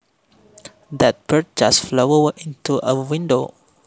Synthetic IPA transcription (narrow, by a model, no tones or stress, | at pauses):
d̪ɛt̚bət̚d͡ʒasflowəĩntuʔəwɪ̃ndo